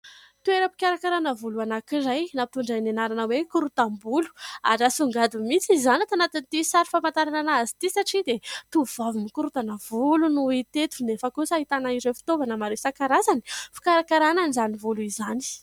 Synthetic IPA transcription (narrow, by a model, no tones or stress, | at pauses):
t̪ueɾəpi̥kʲaɾakaɾanəvuluanakiɾajnapt̪uɳɖ͡ʐanenaɾanəwekuɾut̪ambulu̥a̰ʈ͡ʂasuŋɡad̪umit͡sizanat̪anat̪init̪isaɾi̥famant̪aɾananaazi̥t̪isaʈ͡ʂid̪et̪uvavimikuɾut̪anavulunuit̪et̪u̥nefəkusaɦit̪anaiɾefi̥t̪ovanəmaɾesakaɾazani̥fi̥kaɾakaɾananizanivuluizani̥